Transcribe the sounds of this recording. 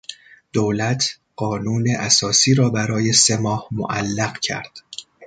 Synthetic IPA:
d̪̥owlæt̪ʰ | ɢ̥ɒːnuːneʔæsɒːsiːɾɒːbæɾɒːje̞semɒːhmo̰ʔælːæɢcʰæ̰ɾd̪̥

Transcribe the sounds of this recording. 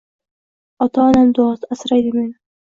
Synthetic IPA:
ɒt̪ɑːnamd̪ost̪asɾajd̪imen

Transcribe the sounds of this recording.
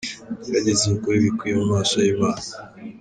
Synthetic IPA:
ɾaɟezemukuɾiβikujemumaːʃajiβaːna

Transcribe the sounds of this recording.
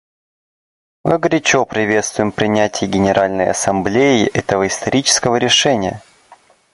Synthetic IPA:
mɨɡɾʲɪt͡ɕopɾʲɪvʲe̞t̪st̪vʊjɪmpɾʲɪnʲætʲɪjɪɡʲɪnʲɪɾʔalʲnəjɐ̰sɐmblʲejɪʔɛt̪əvəɪst̪ɐɾʲit͡ɕɪ̥skəvəɾʲɪʂɛnʲɪjə̰

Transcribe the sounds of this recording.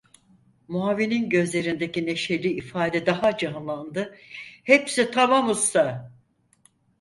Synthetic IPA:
muaːvininɟø̞zlʲe̞ɾind̪e̞cine̞ʃe̞lʲiːfaːd̪ɛd̪aɦad͡ʒanlˠand̪ɯhepsit̪ʰaβamusa

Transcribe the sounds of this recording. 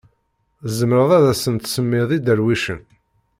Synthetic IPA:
zəmɾəðˤæðæsənt̪səmːɪðˤid̪əɾwiʃən

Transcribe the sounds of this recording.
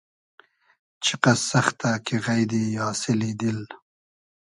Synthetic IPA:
t͡ʃʰiqasaxt̪akeɣajd̪ijɑːsɪlid̪il

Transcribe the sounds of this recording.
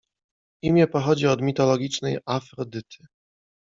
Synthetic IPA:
imʲjɛpɔxɔd͡ʑiɔd̪mʲit̪ɔlɔɡʲit͡ʂnɛjafɾɔd̪ɘt̪ʰɘ̥

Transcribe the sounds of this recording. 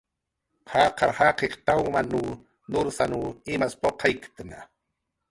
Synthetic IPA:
hɑqɑɾhaqeqt̪awmanuː | nʊɾsanuːɪmaspoqʰajkt̪na

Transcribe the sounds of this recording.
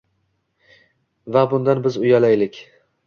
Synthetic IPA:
vabʊnd̪anbɪzʊjalajlɪkʲ

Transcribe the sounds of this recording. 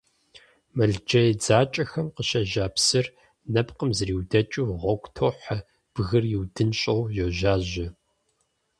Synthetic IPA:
mɐɮd͡ʒɐjd͡zaːt͡ʃʼɐxɐmqəɕɐʒaːpsɨr | nɐpqəmzriːwdɐt͡ʃʼuːʁʷɔkʷʰʼtʰoħɐ | b̥ɣɨrjiwdɨnɕʼowjoʒaːʑɪ

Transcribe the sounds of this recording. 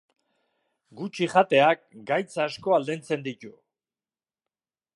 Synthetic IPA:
ɡut͡ʃiχat̪e̞ak̚ɡajt͡saːsko̞ald̪ent͡se̞nd̪it̪u

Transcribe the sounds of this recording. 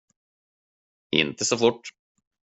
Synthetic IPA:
ɪ̰nt̪əsɔfʊʈː

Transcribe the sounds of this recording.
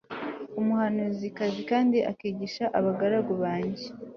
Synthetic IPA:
umuhanuzikazikaːndiʔa̰kiːɟiʃaʔaβaɡaɾaɡoβaːɲɟe

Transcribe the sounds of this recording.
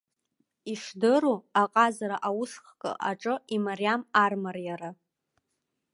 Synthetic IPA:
iʂdɨruaqʼazaɾaʔawʊʂχkʼə̰ʔaʈ͡ʂʼɨimaɾijamarmarjaɾa

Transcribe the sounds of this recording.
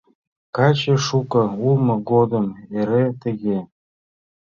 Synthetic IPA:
kɑt͡ɕeʃukɤ̆ulˠmɤ̆ɡod̪əmeɾet̪ə̆ɣe

